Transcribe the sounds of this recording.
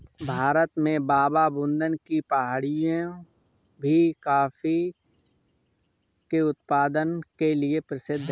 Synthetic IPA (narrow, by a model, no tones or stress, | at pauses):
bʱaːɾət̪mẽbaːbabʊ̃nd̪ənkipɐɦaːɽijõ | bʱikaːfi | keʊt̪paːd̪ənkeliepɾəsɪd̪ʱː